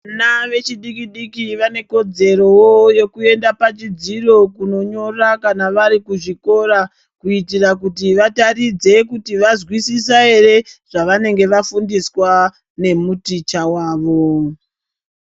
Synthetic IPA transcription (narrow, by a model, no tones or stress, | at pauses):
anaʋe̞t͡ʃiɗikiɗikiʋane̞ko̞d͡ze̞ɾo̞woje̞kue̞ndapat͡ʃid͡ziro̞kuno̞ɲo̞rakanaʋaɾikuʐiko̞ra | kuitirakutiʋatarid͡ze̞kutiʋazwisisaɦe̞re̞ʐ̥aʋane̞ŋɡe̞ʋafundiswa | ne̞mutit͡ʃawaːʋo̞